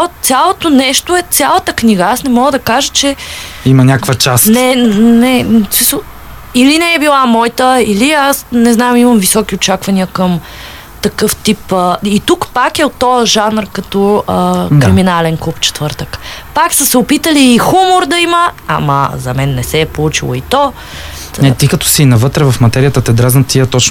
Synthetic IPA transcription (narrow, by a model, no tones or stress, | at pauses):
at̪sʲjalˠot̪onɛʃt̪oɛt̪sʲjalˠət̪əkniɡəasnɛmɔɡəd̪ɐkaʒət͡ʃɛimɐnʲakvət͡ʃastnɛnɛsiso | ilinɛːbilˠamɔjt̪əiliasnɛznamimɐmvisɔkʲiot͡ʃakvɐniəkəm | t̪ɐkɤft̪ipəit̪ukpakɛot̪ːɔəʒanɾkɐt̪ɔəkɾiminalɛnklˠupt͡ʃɛ̥t̪vɤɾt̪əkpaksəsɛʊpit̪əliːxumʊɾd̪ɐiməa̰mɐ̰zɐmɛnːɛsɛpolˠut͡ʃilˠoit̪ɔ | nɛt̪ikɐt̪ɔ̥sinɐvɤt̪ɾɛvɐfmɐt̪ɛɾijət̪ət̪ɛd̪ɾazt̪iət̪ɔt͡ʃ